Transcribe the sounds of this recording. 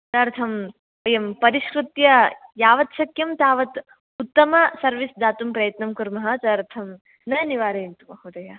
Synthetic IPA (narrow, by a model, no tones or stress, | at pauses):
t̪ɐɾt̪ʰɐm | ʋɐjɐmpɐɾiʃkɾut̪jɐjaːʋɐt̪ʃɐkjɐmt̪aːʋɐt̪ | ut̪ːɐmɐsɐɾʋisd̪aːt̪umpɾɐjɐt̪nɐmkuɾmɐɦɐt͡ʃɐɾt̪ʰɐm | nɐniʋaːɾɐnt̪umɐɦud̪ɐjɐ